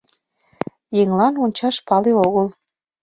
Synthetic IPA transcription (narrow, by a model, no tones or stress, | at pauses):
jeŋlɑnonʲt͡ɕɑʃpɑleoɣəl